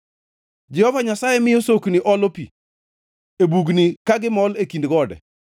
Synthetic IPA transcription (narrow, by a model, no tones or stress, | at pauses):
d͡ʒɛhɔvaɲasajɛmɪjosokniʔɔlopi | ebuɡnikaɡɪmɔlekindɡɔdɛ̰